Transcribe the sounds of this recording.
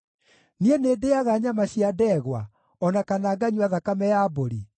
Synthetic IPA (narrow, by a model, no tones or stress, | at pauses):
nienedeaɣaɲamaɕiadɛɣwa̰ | ɔnakanaːɡaɲuaðakamɛjaboɾi